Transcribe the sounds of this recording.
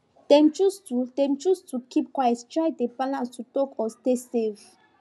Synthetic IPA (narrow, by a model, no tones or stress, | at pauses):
d̪̥ɛ̃mt͡ʃustud̪ɛ̃mt͡ʃustʰukʰip̚kwajstʰɹajd̪epalãnstʰutɔkʰɔstesev